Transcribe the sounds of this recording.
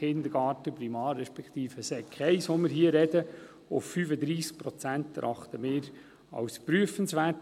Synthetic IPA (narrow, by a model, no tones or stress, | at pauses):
ɪnd̪əɾɡ̥ɑːtəpɾimɑːɾːɛʃpɛkt̪iːfəsɛkʰɛɪsoməɾɦiːəɾɛd̥ə | ʊfːyfəd̪ɾiːsk̚pɾɔt͡sæntɾʔɑχt̪əmɪːɾ | ɑ̰wspɾyəfənsʋæːrt